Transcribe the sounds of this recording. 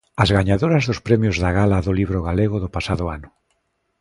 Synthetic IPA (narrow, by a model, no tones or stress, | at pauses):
azɣaɲaðoɾɐzðʊspɾɛmjʊzðaɣalaðʊliβɾʊɣaleɣ̞ʊðʊpasaðʊanʊ